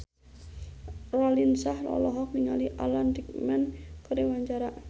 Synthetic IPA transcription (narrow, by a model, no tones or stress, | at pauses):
rɔlinsahlɔ̰lɔɦɔk̚niŋa̰liʔalant̪ik̚mɛnkəɾiwaɲd͡ʒaɾa